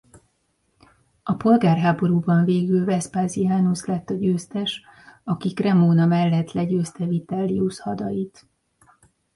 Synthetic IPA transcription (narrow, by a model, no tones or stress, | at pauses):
ɒpo̞lɡaːrɦaːbo̞ɾuːbɒɱveːɡylvɛspaːzijaːnuslɛt̪ːɒɟøːst̪ɛʃ | ɒkikrɛmoːnɒmɛlːɛt̪lɛɟøːst̪ɛvit̪ɛlːiuʃhɒd̪ɒjit̪